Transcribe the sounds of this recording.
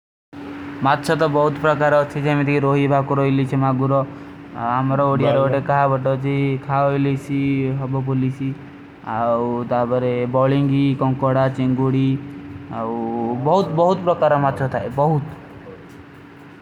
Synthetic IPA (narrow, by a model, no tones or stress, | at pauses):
mat̪ːt͡ʃʰɔt̪ɔbɔɦut̪pɾɔkaɾɔt͡ʃʰid͡ʒamit̪ʰikiɾoɦibʱakuɾɔjlit͡ʃʰimaɡuɾɔ | amɔɾɔoɽijaɾɔoʈekaɦabɔʈɔt͡ʃʰikʰaojlit͡ʃʰiɦɔbɔp̬ulisi | awt̪apɔɾebɔɭiŋɡikɔŋkɔɽat͡ʃeŋɡuɽiawbɔɦut̪bɔɦut̪pɾɔkaɾɔmat̪ːt͡ʃʰɔt̪ʰaebɔɦut̪